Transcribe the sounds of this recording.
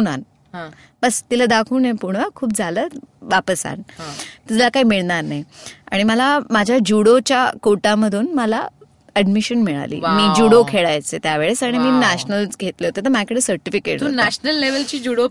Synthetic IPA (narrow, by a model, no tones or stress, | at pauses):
una̰n | ɦã | bəst̪iləd̪akʰuːnepuɽ̃əkʰuːpd͡zʱaləʋapəsa̰nt̪ud͡zlakaiːmiɭnaɾnaja̰ɽ̃iməlamad͡ʑʱjad͡ʑuɽot͡ɕjakoʈaməd̪ʱuːnməla | əɖmiɕənmiɭa̰lḭːmiːd͡ʑuɽokʰeɭajt͡set̪jaʋeɭesaɽ̃imiːnaɕnəlɡʱet̪leɦot̪et̪̬əɾmjakəɽeːsəɾʈifikḛʈt̪unæɕnəlːeʋəlt͡ɕiːd͡ʑuɽo